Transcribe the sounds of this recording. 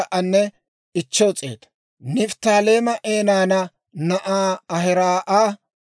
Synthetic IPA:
ʔɐnːɛ | ɪt͡ʃːɔt͡sʼe̞̰ːt̪ɐ̥ | nɪft̪aːleːmɐʔeːnaːnɐ | nɐʔaːɐɦɪɾaːʔaː

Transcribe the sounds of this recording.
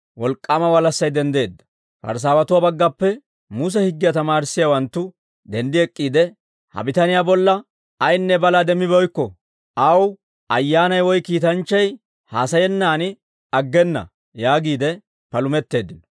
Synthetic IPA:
wɔlkʼːaːmɐwɐlɐsːɐjd̪ɛnd̪e̞ːd̪ːɐ̥ | pɐ̰ɾs̬aːwɐt̪ʊwaːbɐɡːɐpːɛ | mʊs̬ɛhɪɡːɪjɐt̪ɐmaːɾsːɪjawɐnt̪ːʊ | d̪ɛnd̪ɪɛkʼːiːd̪ɛ | hɐ̰bɪt̪ɐnɪjabɔlːɐ | ɐjnːɛbɐlad̪ɛmɪbɔjkːɔ | ɐw | ʔɐjːaːnɐjwɔjkiːt̪ɐnt͡ʃːɐj | haːsɐjɛnːaːnɪ | ɐɡːɛnːɐ̰ | jaːɡiːd̪ɛ | pɐlʊmɛt̪ːe̞ːd̪ɪnɔ̥

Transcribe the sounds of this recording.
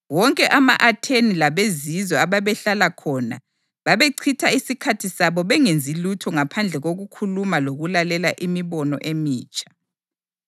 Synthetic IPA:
wɔŋkʼɛʔama̰ʔatʰenilaβezizɔaβaβɛɬalakʰɔːna̰ | βaβeǀʰitʰaisikʰatʰisaβɔβɛŋend͡zʱilutʰɔŋapʰand͡ɮʱɛɣoɣukʰulumaloɣulalɛlaʔimiβɔnɔ̰ʔemiːt͡ʃʼḁ

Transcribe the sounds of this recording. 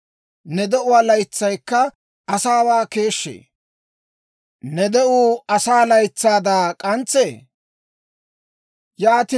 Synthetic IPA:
nɛd̪ɛʔʊwaːlɐjt͡sːɐjkːɐ | ɐsaːwaːke̞ːʃːḛː | nɛd̪ɛʔuːɐsaːlɐjt͡sːaːd̪aːkʼɐnt͡seː | jaːt̪ɪ

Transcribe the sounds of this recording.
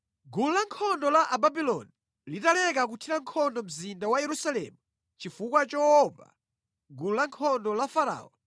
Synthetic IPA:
ɡululaŋkʰɔndɔlaʔababilɔni | litalɛkak̬utʰiɾaŋkʰɔndɔm̩zindawajɛɾusalɛ̰mu | t͡ʃifukwat͡ʃɔɔpa̰ | ɡululaŋkʰɔndɔlafaɾa̰ːɔ̰n

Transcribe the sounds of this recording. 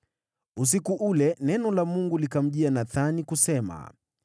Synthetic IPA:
us̬ikuʔulɛnɛnɔlamuŋɡulikam̩ʄianaθanikusɛma̰

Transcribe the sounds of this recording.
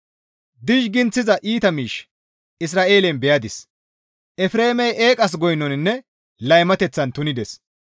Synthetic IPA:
d̪ɪʃ̬ɡɪnt͡sːɪzɐʔiːt̪ɐmiːʃ | ɪs̬ɾaːʔe̞ːlɛnbɛjɐd̪ɪs | ʔɛfɾe̞ːmɛjʔeːkʼɐs̬ɡɔjnɔnɪnːɛ | lɐjmɐt̪ɛt͡sːɐnt̪ʊnɪd̪ɛs

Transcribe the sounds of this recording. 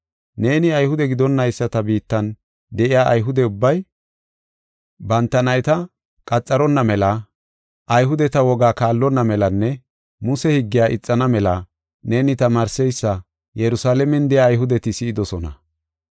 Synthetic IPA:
ne̞ːnɪɐjhʊd̪ɛɡɪd̪ɔnːɐjsːɐt̪ɐbiːt̪ːɐn | d̪ɛʔɪjaːʔɐjɦʊd̪ɛʊbːɐj | bɐnt̪ːɐnɐjt̪ɐ | kʼɐt͡sʼːɐɾɔnːɐmɛlɐ | ʔɐjɦʊd̪ɛt̪ɐwɔɡaːkaːlːɔnːɐmɛlɐnːɛ | mʊsɛhɪɡːɪjaːʔɪt͡sʼːɐnɐmɛlɐ | ne̞ːnɪt̪ɐmaːɾsɛjsːɐ | jɛɾʊsaːlɛmɛnd̪ɛjaːjɦʊd̪ɛt̪ɪsɪɪd̪ɔsɔnɐ̰

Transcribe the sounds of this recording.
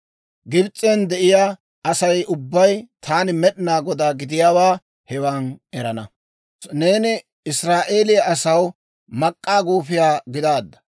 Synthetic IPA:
ɡɪbt͡sʼːɛnd̪ɛʔɪjaː | ʔɐsɐjʊbːɐjt̪ʰaːnɪmɛɗɪnaːɡɔd̪aːɡɪd̪ɪjaːwaː | hɛwaːnɛɾɐnɐ | ne̞ːnɪ | ɪsɾaːʔeːlɪjɐɐsɐw | mɐkʼːaːɡuːfɪjaːɡɪd̪aːd̪ːɐ̥

